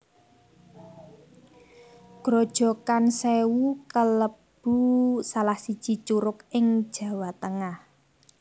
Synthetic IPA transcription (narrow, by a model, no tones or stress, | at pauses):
ɡ̥ɾod̥ʒ̥ɔ̤kansewukələb̥ṳsalahsid̥ʒ̥i̤t͡ʃuɾʊkɪŋd̥ʒ̥ä̤wat̪əŋah